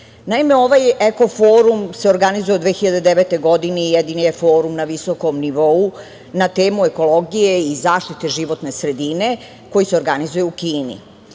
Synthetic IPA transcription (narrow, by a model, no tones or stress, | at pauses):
naime̞o̞ʋajeko̞foːɾumse̞o̞ɾɡanizuje̞od̪ʋeːxiʎad̪ed̪eʋet̪ejɡo̞d̪ineijed̪inijefo̞ːɾumnaʋisoko̞mniʋo̞u | nat̪eːmue̞ko̞lo̞ɡijeizaːʃt̪it̪e̞ʒiʋo̞t̪ne̞sɾe̞d̪ine̞ | ko̞jiseo̞ɾɡanizujeukiːnḭ